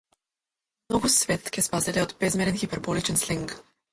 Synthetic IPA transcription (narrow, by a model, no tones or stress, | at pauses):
mnɔɡusvɛt̪kɛspazɛlɛod̪bɛzmɛɾɛnxipɛɾbɔlit͡ʃənsliŋk